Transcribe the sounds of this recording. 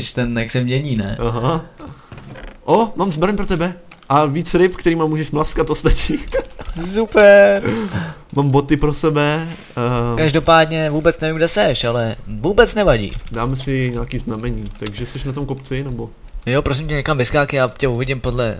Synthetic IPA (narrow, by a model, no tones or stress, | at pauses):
ɪʃt̪ɛnɛksɛmɲɛɲiːnɛ̰ʔaɦa | ʔomaːmzbɾaɲpɾot̪ɛbɛ | ʔaviːt͡sɾɪpkt̪ɛɾiːmamuːʒɛʃmlaskat̪ost̪at͡ʃiːsupɛɾ | maːmbot̪ɪpɾosɛbɛ | kaʒdo̞paːdɲɛvuːbɛt͡snɛvimɡ̚dɛsɛʃalɛvuːbɛt͡snɛvaɟḭːdaːmɛsɪɲaːkiːznamɛɲiːt̪aɡʒɛsɛʃnat̪o̞mkopt͡sɪnɛbo̞ | jopɾos̬ɪmcɛɲɛkamvɪskaːkɪjaːcɛuvɪɟɪmpodlɛ̰